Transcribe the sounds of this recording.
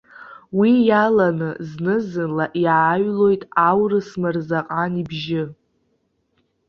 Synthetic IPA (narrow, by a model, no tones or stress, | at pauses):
wijalanɨznɨzɨnlaʔjaːɥlo̞jtʼawrɨsmɨrzaqʼanibʒɪ